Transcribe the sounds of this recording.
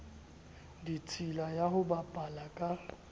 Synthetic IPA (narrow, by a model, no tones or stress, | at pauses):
dit͡sʼilajaɦʊbapʼalakʼa